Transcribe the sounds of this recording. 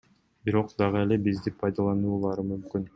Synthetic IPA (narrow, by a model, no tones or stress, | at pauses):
biɾo̞qd̪ɑʁɯe̞lebizd̪ipʰɑjd̪ɑlˠɑnuːlˠɑɾɯmymkyn